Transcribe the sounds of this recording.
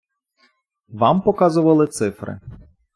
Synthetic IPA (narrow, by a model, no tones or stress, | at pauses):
ʋɑmpɔkɑzʊʋɐlˠɪt̪sɪfɾɪ̰